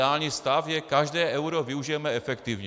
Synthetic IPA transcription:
aːlɲiːst̪afjɛkaʒdɛːʔɛwɾovɪuʒɪjɛmɛɛfɛkt̪ivɲ

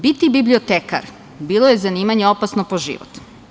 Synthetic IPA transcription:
bit̪ibibliot̪eːka̰ɾ | biːlˠoje̞zaniːmaɲeopasnopoʒḭʋo̰t̪

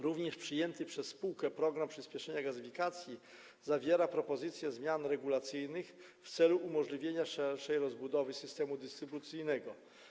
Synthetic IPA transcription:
ɾuvɲɛʂpʂɘjɛnt̪ɘpʂɛsːpuwkɛpɾɔɡɾampʂɘspʲjɛʂɛɲaɡazɘfʲikat̪sʲji | zavʲjeɾapɾɔpɔzɘt̪sʲjɛzmʲjanɾɛɡulat̪sɘjnɘx | ft̪sɛluʔumɔʐlʲivʲjeɲaʂɛɾʂɛjɾɔzbud̪ɔvɘsɘst̪ɛmud̪ɘst̪ɾɘbut̪sɘjnɛɡɔ

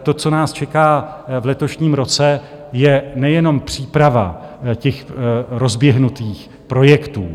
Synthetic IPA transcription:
t̪o̞t͡so̞naːst͡ʃɛkaː | vlɛt̪o̞ʃɲiːmɾo̞t͡sɛ | jɛnɛjɛno̞mpr̝̥iːpɾava̰cɛxɾo̞zbjɛɦnut̪iːx | pɾo̞jɛkt̪uː

